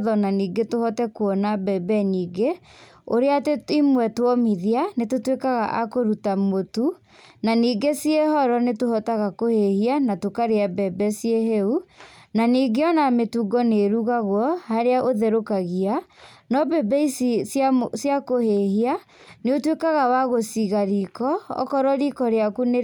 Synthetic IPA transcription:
ðɔnaniːɡetohɔtɛkwɔnabɛbɛniːɡe | oɾeateimwɛtwɔmiðianetotwekaɣa̰ʔakoɾutamotu | naniːɡesiehɔɾɔnetohɔtaɣakohehianatokaɾeabɛbɛsieɦeunaniːɡeɔnametuɡɔneɾuɣaɣwɔhaɾeaʔoðeɾokaɣianɔbɛbɛissjakohehia | neotwekaɣawaɣosiɣaɾikɔɔ̰kɔɾɔɾikɔɾeakune

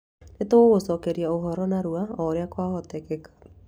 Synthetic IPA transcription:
netooɣosɔkɛɾjaoɦɔɾɔnaɾuaɔɾeakwaɣɔtɛkɛkḁ

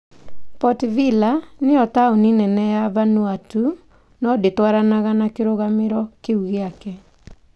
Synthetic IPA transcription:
pɔtvilaneɔtaoninɛnɛjavanuatu | nɔdetwaɾanaɣanakeɾoɣameɾɔkeuɣeakɛ

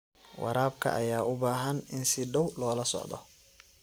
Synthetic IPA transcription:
wɑ̰ɾaːbkʰɐ̰ʔɐjaːʊbaːɦɐnɪnsɪɖɐwlɔːlɐsɔ̰ʕd̪ɔ̰

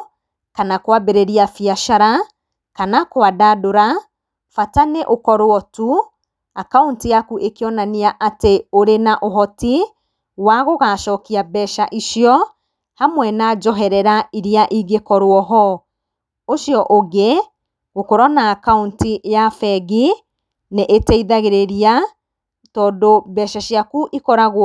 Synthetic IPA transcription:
kanakwabeɾeɾiafiaʃaɾa | kanakoadadoɾa | fataneʔokɔɾwɔtu | akauntijakuʔekeɔnaniaʔateoɾenaʔoɦɔti | waɣoɣaʃɔːkiabɛʃaʔiʃiɔ | hamwɛnaːd͡ʒɔɦɛɾɛɾaiɾiaʔiɡekɔɾwɔɦɔ | oʃjɔʔoɣe | ɣokoɾɔnaːkauntijafɛɣi | neʔetɛiðaɣeɾeɾia | tɔːdobɛʃaʃjakuʔikɔɾaɣw

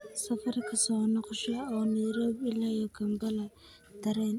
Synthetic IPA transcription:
sɐfɐrkʰɐsɔːnɔqʃɐɔːnɛjɾɔːbɪlajɔkʰɐmbɐlɐ | d̪̥ɐɾɛn

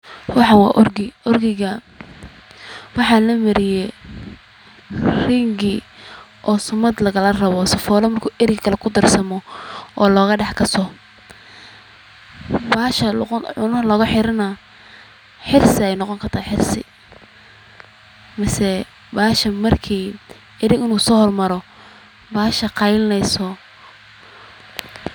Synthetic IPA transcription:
wɑħɑwɑ̰ːʔʊrɡɪʔɔrɡɪɣɐ | wɑħɑlɐmɐɾɪjɛ | rɪŋɡɪ | ʔɔːsʊmɐd̪lɐɣɐlɐrɐβɔsɐfɔːlɐmɐrkʰuːʔɪɾɡkʰɐlɛkʰʊd̪ɐrsɐmɔʔɔːlɔːɣɐɖɑħkʰɐsɔ | baːʃɐʕʊnɐlɔːɣɐħɪɾɐnɐ | ħɪrsɪɛjnɑqɔŋkʰɐrt̪ʰaːħɪrsɪ̰ | mɐsɛ | baːʃɐmɐrkʰiː | ɪɾɪɡɪnuːsɔːhɔrmɐɾɔ | baːʃɐqɑjlnɛjsɔ

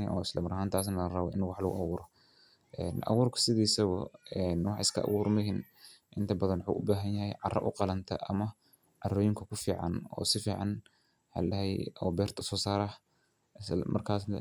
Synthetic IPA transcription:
ɪ̰ʔɔːɪslɐmɐɾɐhaːnt̪ʰaːs̬nɐɣɐrɐβɔʔɪnwɑħlɐɣʊ̰ʔɑ̰wʊːɾɔ | ʔɛːnʔɐ̰wʊːrkʰɐ̥sɪðiːsɐɣʊɛnwɑħɪskʰɐʔɐ̰wuːɾmɪɦɪn | ʔɪnt̪ʰɐbɐðɐnwħṵːʔʊbaːɦɐnjɐɦɛjʕɑrɐ̰ʔʊqɑlɐnt̪ʰɐ̰ʔɐmɐ | ʕɑrɔːjɪŋkʰɐkʰʊfiːʕɑ̰nɔ̰ːsɪfiːʕɑ̰n | hɐ̰lɐɦɛjɔːbɛːrt̪ʰʊ̥sɔːsaːɾɐ | smʔɐ̰rkʰaːs

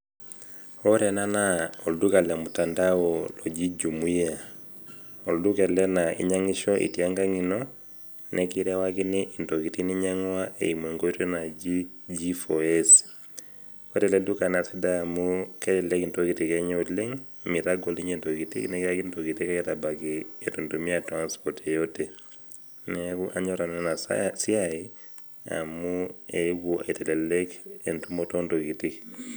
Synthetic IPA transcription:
ɔɾɛnanaɔldukalɛmutandawɔlɔd͡ʒid͡ʒumuja | ɔldukɛlɛnaḭɲaŋiʃɔʔḭtiaŋɡaŋinɔ | nʔɛkiɾawakiniʔintɔkitiniɲaŋwaʔḛimwɛŋɡotɛnad͡ʒid͡ʒifɔɛs | kɔtɛlɛdukanasidamukelɛlɛkntokitikeɲoleŋ | miɾaɡoliɲentoɡitḭknekakintoɡitikaketabakietuntumiatanspɔɾtejote | neβuʔaɲoɾananasiai | a̰mueβuʔa̰itɛlelekentumotondoɡitik

